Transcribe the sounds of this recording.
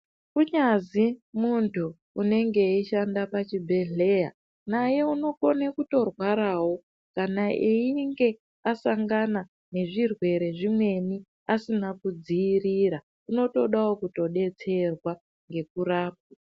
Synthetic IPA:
kuɲazimuntʰuː | ne̞ŋɡe̞iʃandapat͡ʃibʱe̞ɮe̞ja̰ | naje̞uno̞ko̞nekuto̞rwaɾaːwo̞ | kanaʔeiŋɡe̞ | asaŋɡana | ne̞ʐirwe̞ɾe̞ʐimwe̞ni | asinakud͡ziːriːɾa | uno̞to̞ɗawokuto̞ɗe̞t͡se̞rwa | ŋɡe̞kuɾaːp̚u

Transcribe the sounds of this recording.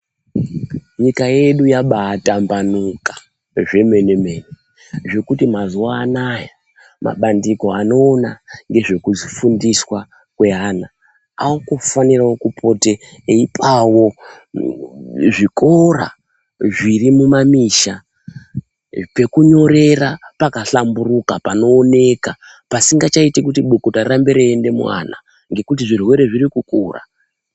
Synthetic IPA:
ɲikaje̞ɗujaɓaːtambanukḁ | ʐe̞me̞ne̞me̞ne | ʐe̞kutimazuwaːnaja | ma̰ɓandiko̞ano̞ːnaŋɡe̞ʐe̞kuzifundiswa | kwe̞ɦaːna | aokofanirawokupʰo̞te̞ | eipʰawo̞ | ʐikʰo̞ra̰ | ʐirimumamiːʃa | pe̞kuɲo̞ɾe̞rapakaɬamburukapano̞ːne̞ka | pasiŋɡat͡ʃaitekutiɓokotarambe̞ɾeːnde̞mwa̰na̰ | ŋɡe̞kut̬iʐirwe̞ɾe̞ʐiɾikukṵra̰

